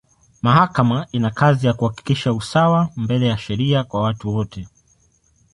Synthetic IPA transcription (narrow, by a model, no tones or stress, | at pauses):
mahakamainakazijakuhaki̥kiʃausawambɛlɛjaʃɛɾiakwawatuwɔtɛ